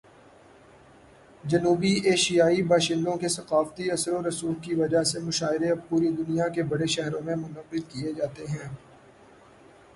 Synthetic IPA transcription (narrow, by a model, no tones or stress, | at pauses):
d͡ʒɐnuːbiʔeːʃijaːibaːʃɪ̃nd̪õkesɐqaːft̪iɐsɾoɾɐsuːlkiʋɐd͡ʒasemʊʃaːɪɾeɐbpuːɾid̪ʊnijakebɐɽeʃɛɦɾõmẽmʊnəqɪlkied͡ʒaːt̪eɦɛ̃ː